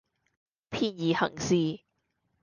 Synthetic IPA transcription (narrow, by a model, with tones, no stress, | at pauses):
pʰiː˥njiː˨hɐ̰˨˩ŋsiː˧